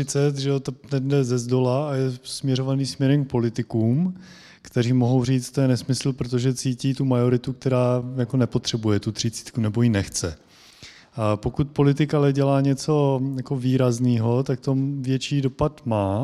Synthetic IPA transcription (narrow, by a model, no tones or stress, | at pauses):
ɪt͡sɛt̪ʒɛot̪onɛdɛzɛzdo̞laajɛsmɲɛɾo̞vaniːsmɲɛɾɛmk̚po̞lɪt̪ɪkuːm | kt̪ɛɾiːmo̞ɦo̞wriːt͡st̪ojɛnɛsmɪsl̩pɾot̪̬o̞ʒɛt͡siːciːt̪umajo̞ɾɪt̪uk̚t̪ɛɾaːjako̞nɛpo̞t̪r̥ɛbujɛt̪ut̪r̥ɪt͡si̥ːt̪kunɛbo̞jinɛxt͡sɛ | po̞kut̪̚po̞lɪt̪̬ɪkalɛɟɛlaːɲɛt͡so̞jako̞viːɾazniːɦo̞t̪akt̪o̞vjɛt͡ʃiːdo̞pat̪maː